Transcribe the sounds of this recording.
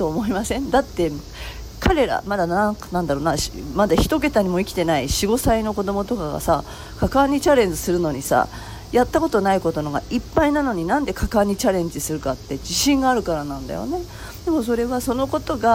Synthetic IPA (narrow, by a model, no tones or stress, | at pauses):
t̪oːmo̞imasẽ̞nd̪at̪ːe̞ | kʰaɾe̞ɾa̰mad̪anãnãnd̪aɾo̞ːnaɕmad̪açi̥t̪o̞k̬e̞t̪aɲ̟imo̞ikʲi̥t̪e̞naiɕiɡo̞saino̞kod̪o̞mo̞t̪o̞kaɡa̰sa | kakaɲ̟ːit͡ɕaɾẽ̞ɲd͡ʑisɨɾɯ̟no̞ɲ̟isa̰ | jat̪ːako̞t̪o̞naiko̞t̪o̞noɡa̰ʔipːainano̞ɲ̟inãnd̪e̞kʰakaːɲ̟ːit͡ɕaɾẽ̞ɲ̟d͡ʑisɨɾɯ̟kat̪ːe̞d͡ʑiɕĩŋɡaːɾɯ̟kaɾanãnd̪a̰jo̞̰ne̞ | d̪e̞mo̞s̬o̞ɾe̞βaso̞no̞ko̞t̪o̞ɡa